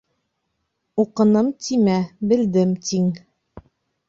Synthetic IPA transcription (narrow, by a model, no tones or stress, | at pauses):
uqɤ̆nɤmt̪ʰimæbɘ̆ld̪ɘmt̪ʰiŋ